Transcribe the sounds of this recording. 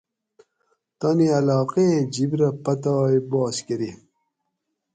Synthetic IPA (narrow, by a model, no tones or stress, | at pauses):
t̪ɐniɐlɑːqed͡ʑibɾɐpɐt̪aːjbɑːskeɾi